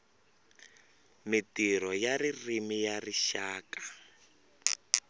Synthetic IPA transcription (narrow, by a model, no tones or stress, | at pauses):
mitiɾɔjaririmijariʃaːkḁ